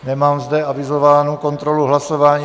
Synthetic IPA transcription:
nɛmaːmzdɛʔavɪzo̞vaːnuko̞nt̪ɾoluɦlaso̞vaːɲi

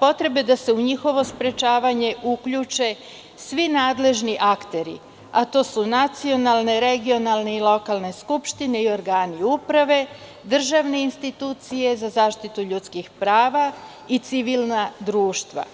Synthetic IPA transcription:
po̞t̪ɾe̞bed̪ase̞uɲixo̞ʋo̞spɾe̞t͡ʃaːʋaɲe̞ukʎut͡ʃe̞ | sʋinaːd̪le̞ʒniʔakt̪e̞ɾḭ | at̪o̞ːsunat̪sio̞nalˠne̞ɾe̞ɡio̞nalˠne̞ilo̞kaːlˠne̞skupʃt̪ine̞io̞ɾɡaːniupɾaʋe̞ | d̪r̩ʒaʋne̞inst̪it̪uːt̪sije̞zazaːʃt̪it̪uʎut̪skixpɾaːʋa | it̪siʋilˠnad̪ɾuːʃt̪ʋa̰

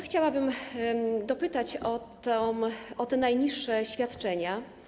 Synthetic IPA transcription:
xt͡ɕawabɘm | d̪ɔpɘt̪at͡ɕɔt̪ɔɔt̪ɛnajɲiʂːɛɕfʲjat̪t͡ʂɛɲa

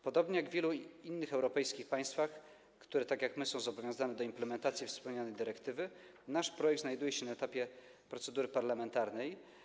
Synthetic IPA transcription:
pɔd̪ɔbɲɛjaɡvʲjɛluinːɘxɛwɾɔpɛjskʲixpaj̃st̪fax | kt̪uɾɛt̪akjakmɘsɔ̃w̃zɔbɔvʲjɔ̃w̃zanɛd̪ɔimplɛmɛnt̪at̪sʲjifspɛwɲanɛjd̪ɘɾɛkt̪ɘvɘ | naʂpɾɔjɛk̚t̪znajd̪ujɛɕɛnaɛt̪apʲjɛpɾɔt̪sɛd̪uɾɘpaɾlamɛnt̪aɾnɛj

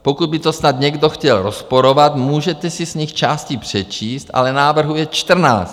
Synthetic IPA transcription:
pokud̪̚bit̪osnad̪ɲɛɡd̪oxcɛlɾospoɾovat̪muːʒɛt̪ɛsisɲixt͡ʃaːscipr̝̥ɛt͡ʃiːst̪a̰lɛnaːvr̩ɦujɛt͡ʃt̪r̩na̰ːst̪

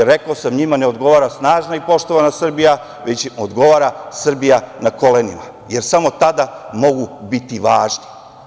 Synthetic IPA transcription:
ɾekaosamɲimaneo̞d̪ɡo̞ʋaːɾasnaːʒnaipo̞ʃt̪o̞ʋanasr̩bija | ʋet͡ɕod̪ɡo̞ʋaːɾasr̩bijanako̞lenima | je̞ɾsamo̞t̪ad̪amo̞ɡubit̪iʋaːʒni

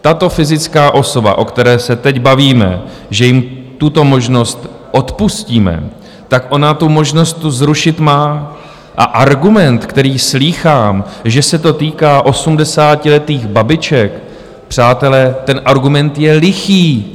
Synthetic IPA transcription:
t̪at̪o̞fɪzɪt͡skaːʔo̞so̞ba̰ʔo̞kt̪ɛɾɛːsɛt̪ɛcbaviːmɛ̰ | ʒɛjɪmt̪ut̪o̞mo̞ʒno̞st̪ | ʔo̞t̪pusciːmɛ̰ | t̪akʔo̞nat̪umo̞ʒno̞st̪ːuzɾuʃɪt̪maː | ʔaʔaɾɡumɛnt̪kt̪ɛɾiːsliːxaːmʒɛsɛt̪o̞t̪iːkaːʔo̞sumdɛsaːcɪlɛt̪iːɣbabɪt͡ʃɛk | pr̥aːt̪ɛlɛt̪ɛnʔaɾɡumɛnt̪jɛlɪxiː

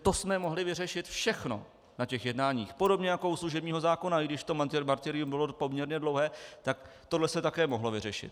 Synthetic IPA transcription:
t̪o̞smɛmo̞ɦlɪvɪrɛʃɪt̪fʃɛxno̞̰ | nacɛxjɛdnaːɲiːxpo̞do̞bɲɛjako̞usluʒɛbɲiːɦo̞zaːko̞naɪɡdɪʃt̪o̞mat̪ɪmaɾt̪ɪɾɪjumbɪlo̞po̞mɲɛɾɲɛdlowɦɛːt̪ak | t̪odlɛsɛt̪akɛːmoɦlo̞vɪrɛʃɪ̰t̪

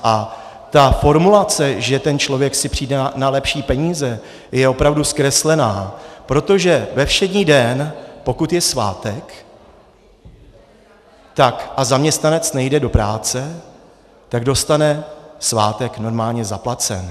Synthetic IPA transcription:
ʔa | t̪afo̞ɾmulat͡sɛʒɛt̪ɛnt͡ʃlo̞vjɛksɪpr̥iːdɛnalɛpʃiːpɛɲiːzɛ | jɛo̞pɾavduskɾɛslɛnaːpɾo̞t̪o̞ʒɛvɛfʃɛdɲiːdɛnpo̞kut̪jɛsva̰ːt̪ɛk | t̪akʔazamɲɛst̪nanɛt͡snɛjdɛdo̞pɾaːt͡sɛ | t̪aɡdo̞st̪anɛsvaːt̪ɛkno̞ɾmaːlɲɛzaplat͡sɛ̰n

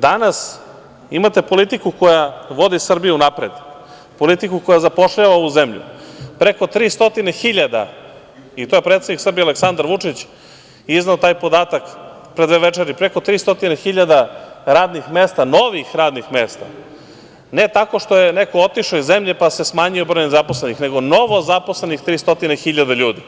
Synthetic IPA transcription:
d̪anas | imat̪e̞po̞lit̪ikuko̞jaʋo̞d̪isr̩bijuunapɾed̪ | po̞lit̪ikuko̞jazapo̞ʂʎaʋaoʋuzemʎṵpɾeko̞t̪ɾiːst̪o̞t̪inexiʎad̪a̰ | it̪ojepɾet̪sed̪iksr̩bijealeksand̪aɾʋut͡ʂit͡ɕ | izneot̪aːjpo̞d̪aːt̪ak | pɾe̞d̪ʋeʋet͡ʂeɾipɾeko̞t̪ɾiːst̪o̞t̪inexiʎad̪aɾaːd̪nixmest̪ano̞ʋixɾaːd̪nixmeːst̪a̰ | ne̞t̪ako̞ʃt̪o̞jeneko̞ot̪iʃoizemʎepase̞smaːɲiobɾojnzaposlenixne̞ɡo̞no̞ʋo̞zapo̞slenixt̪ɾiːst̪o̞t̪inexiʎad̪aʎuːd̪i

